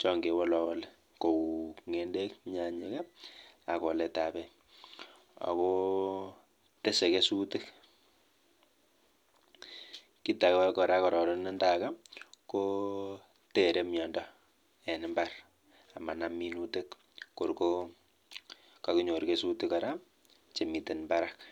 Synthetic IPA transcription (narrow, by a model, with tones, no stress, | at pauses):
t͡ʃɔ˦ŋɡe˨wɔ˦lɔ˦wɔ˦le | ko˨ŋe˦nde˦kɲa˨ɲe˦ka˦a˨kɔ˨lɛta˨pɛ˦ | a̰˨ko˦ | te˦se˨ke˦su˦tɪ˦k | ki˦ta˨kkɔ˨ɾa˦kɔ˨ɾɔ˨ɾɔ˦nɪ˦ndaka˦ko | teɾe˦mjɔndɔ | ɛ˨nɪmbar | a˨ma˨nami˦nutek | ko˨ɾko | ka˨ki˦ɲo˨ɾke˦su˦tɪ˦ka˨ɾa˦p | t͡ʃe˨mi˨te˨nmba˦ɾak